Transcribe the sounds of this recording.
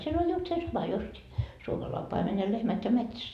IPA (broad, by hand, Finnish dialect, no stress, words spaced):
siel olʲ just se sɑmɑ justi suomɑlɑi pɑimen jɑ lehmæt jɑ metsæs